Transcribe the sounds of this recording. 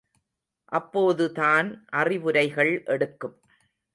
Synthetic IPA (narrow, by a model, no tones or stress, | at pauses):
ʔɐpːoːðɯtaːnʔɐrɪʋɯɾɐɪɣɐɭʔɛɽɯkːɯm